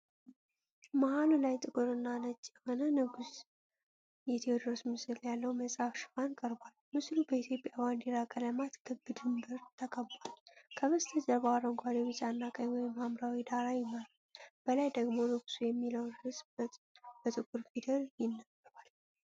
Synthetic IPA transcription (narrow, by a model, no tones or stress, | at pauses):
maɦalulajt̪ʼɨkʼuɾɨnːanət͡ʃːjɛho̞nənɨɡus | jɛt̪ʰewod̪ɾosmɨsɨljalːəwməsʼafʃɨ̥fankʼəɾbalmɨslubəit̪ʰjo̞pʼjaband̪iɾakʼələmat̪ɡʰɨɡɨd̪ɨmbəɾt̪ʰəkʼʰəbalkʰəβɨst̪ʰəd͡ʒəɾbaaɾəŋɡʷad̪eβɨt͡ʃʼanːakʼəɲwɔjɪmːamɾawid̪aɾajɪməɾalb̥əlajd̪əɡmo̞nɨɡu̥sujɛmːiləwnhɨsbb̥ət̪ʼɨkʼuɾfid̪əɾjɪnːabbal